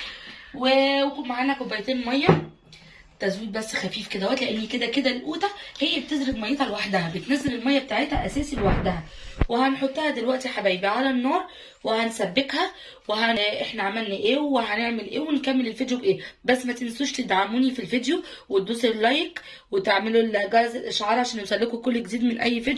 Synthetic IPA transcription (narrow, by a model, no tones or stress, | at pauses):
weweuʔmaʕaːnækobːæjt̪ˤeːnmɑjːæ | t̪æzuːd̪̚bæsːxæfiːfked̪æwæt̪leʔenːiked̪æked̪ælʔuːt̪æhejːæbet̪ezɾebmɑjːet̪hɑlwaħd̪æhæbet̪næzeɾelmɑjːæb̚et̪aːʕet̪hæʔæsæːsilewaħd̪æhæ | wehænħot̪ˤːæhæd̪elwæʔt̪iħabæːjbiʕalænːɑːɾˤ | wehænsæbːekhæ | wehæʔeħnæʕamælnæʔeːweɦæneʕmelʔeːwenkæmːelelfed̪jobʔeːbæsːmæt̪ensːuːʃt̪ed̪ʕamuːnifilfid̪jo | wed̪uːselːɑjk | wet̪eʕmelolɡɑˤɑzelʔeʃːʕɑːɾˤʕaʃæːnjosˤælːekokolːɡeziːd̪menʔæjːfed̪j